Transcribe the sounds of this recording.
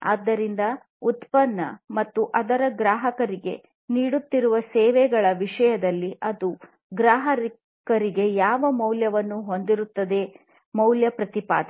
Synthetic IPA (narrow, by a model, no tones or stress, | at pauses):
a̰ːd̪ːɐɾind̪ɐ | ut̪pɐnːɐmɐt̪ːuʔɐd̪ɐɾɐɡɾaːɦɐkɐɾiɡe̞̰ | niːɽut̪ːiɾuʋɐsɛːʋɛɡɐɭɐʋiʂɐjɐd̪ɐlːiʔɐd̪u | ɡɾaːɦɐɾ | kɐɾiɡe̞jaːʋɐmɐwljɐʋɐnːuɦo̞nd̪iɾut̪ːɐd̪e̞ | mɐwljɐpɾɐt̪ipa̰ːd̪ɐ